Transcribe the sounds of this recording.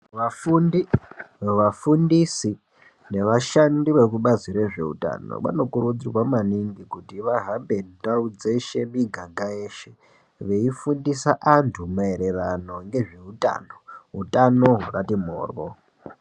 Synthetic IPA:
ʋafundi | ʋafundisi | ne̞ʋaʃandiʋe̞kuɓaziɾeʐe̞̰ṵta̰ːno̰ɓa̰no̞kuɾud͡zirwamaniŋɡikutiʋaɦambe̞ndaud͡zeʃe̞miɡʱaɡaeːʃe̞ | ʋe̞ifundisaʔantʰumaeɾe̞rano̞ŋɡe̞ʐe̞uta̰ːno̞ɦṵtano̞ɦuratim̤o̰ːrwo

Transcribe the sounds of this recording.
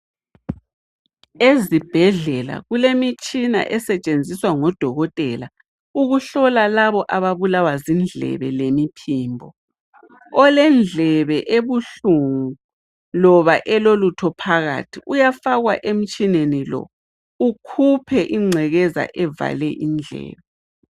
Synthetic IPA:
ezib̥ʱɛɮɛla̰ɣulemit͡ʃʼina̰ʔɛsɛt͡ʃʼend͡zʱiswaŋɔd̥ʱɔɣɔtʼɛla | uɣuɬɔlalaβɔʔaβaβulawazind͡ɮʱɛ̰βɛ̰lemipʰiːmbʱɔ | ɔlɛnd͡ɮʱɛβɛʔeβuɬuŋu | lɔβaʔɛlolutʰɔpʰaɣa̰tʰiʔujafaɣwaʔem̩t͡ʃʼinenilɔ̰ | ukʰupʰɛʔiŋ͡ǀʱɛɣɛza̰ʔɛva̰lɛʔind͡ɮʱɛ̰ːβɛ

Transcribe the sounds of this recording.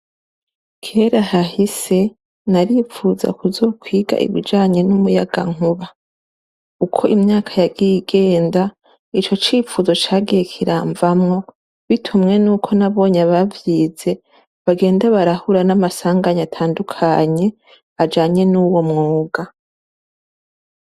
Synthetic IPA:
kʰe̞ɾahahise̞ | naɾifuza̰kuzo̞ːkwiːɡa̰ʔḭβḭd͡ʒaːɲe̞numujaɡa̰ŋ̥uβa | ukʰo̞ʔimɲaːkʰajaɡijiɡe̞ːnda | it͡ʃo̞t͡ʃiːfuzo̞t͡ʃaːɡijekʰiɾaːɱvamŋo̞ | βitʰumŋe̞nuːkʰo̞naβo̞ːɲaβavjiːze̞ | βaɡe̞ːndaβaɾahuɾanamasaːŋɡaɲatʰaːndukʰaɲe̞ | ad͡ʒaːɲe̞nuwo̞mŋuːɡa

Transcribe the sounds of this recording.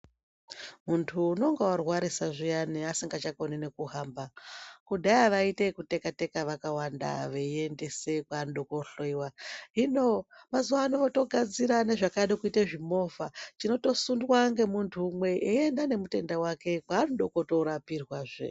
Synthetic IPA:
muntʰuːno̞ŋɡewarwaɾisaʐijaniasiŋɡat͡ʃakoninekuɦaːmbakudʱaaʋaite̞kute̞kate̞kaʋakawanda̰ʋeie̞nde̞se̞kwaːnɗokoɬoiwaɦino̞mazuʋaːnoʋoto̞ɡʱad͡ziɾane̞ʐakaɗekuitaʐimo̞vat͡ʃino̞to̞sundwaŋɡe̞muntʰuːmwe̞ʔeendane̞mute̞ndawake̞kwaːnɗokoto̞ɾapirwaʐḛ

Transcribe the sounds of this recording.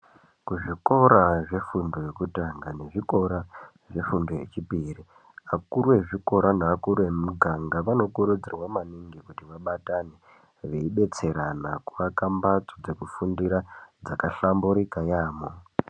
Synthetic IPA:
kuʐiko̞ɾaʐe̞fundo̞je̞kutaŋɡane̞ʐiko̞ɾa | ʐe̞fundoje̞̰t͡ʃipiri | akuɾuwe̞ʐiko̞ɾanaakuɾuwe̞muɡʱaŋɡaʋano̞kuɾud͡zirwamaniŋɡikutiʋaɓatane | ʋe̞iɓe̞t͡se̞ɾanakuʋakambat͡sod͡ze̞kufundiɾad͡zakaɬambuɾikajaːmo

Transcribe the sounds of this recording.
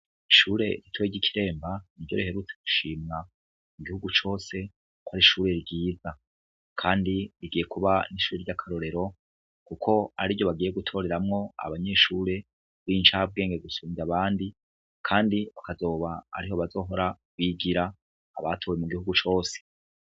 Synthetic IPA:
iʃuːɾe̞ɾitʰojeɟikʰiɾe̞ːmbaniɟoɾihe̞ɾuːt͡se̞ɡuʃiːmŋa | muɡihuɡut͡ʃo̞ːse̞ | kwaɾiʃuːɾe̞ɾiɟiːza | kʰaːndiɾiɡiːje̞kuβaniʃuːɾeɾɟakʰaɾo̞ɾe̞ɾo̞ | kukʰo̞a̰ɾivɟo̞βaɡiːje̞ɡutʰo̞ːɾe̞ɾamŋo̞a̰βaɲe̞ʃuːɾe̞ | βint͡ʃab̚ɡe̞ːŋɡe̞ɡusuːɲaβaːndi | kʰaːndiβakazo̞ːβaa̰ɾiɦo̞βazo̞ːɦo̞ɾa | βiɡiɾa̰ː | βatʰowemuɡihuɡut͡ʃo̞ːse̥

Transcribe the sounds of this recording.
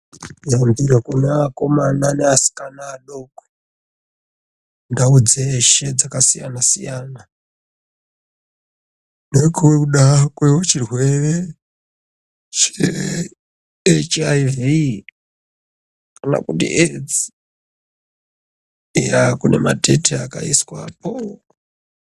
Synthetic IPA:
d͡zambiɾakuneako̞mananeasi̥kanaːɗokwe | ndaud͡zeːʃed͡zakasija̰nasḭjana | nekuwekuɗakweot͡ʃirwe̞re | t͡ʃe | et͡ʃaivi | kana̰kutḭʔed͡zi | eɾakune̞̰matʰe̞tʰeaka̰iswa̰po

